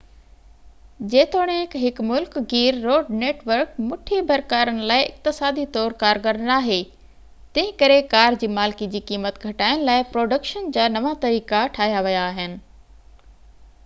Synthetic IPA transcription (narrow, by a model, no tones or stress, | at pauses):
d͡ʑeːt̪ʰoːɽ̃ẽkɦɪkmʊlkɡiːɾːoːɖneːʈʋəɾkmʊʈʰebʱɐɾkaːɾənɪ̆laːɪʔɪ̰k̚t̪ɪsaːd̪it̪ɔːɾkaːɾɡɐɾnaːɦe | t̪ɐ̃ɦɪ̃kɐɾekaːɾd͡ʑiːmaːlkid͡ʑiːkiːmət̪ɡʱɐʈaːɪñɪ̆laːɪpɾoːɖəkʃənd͡ʑaːnɐʋat̪ɐɾiːkaʈʰaːɦjaʋijaːɦɪnɪ̆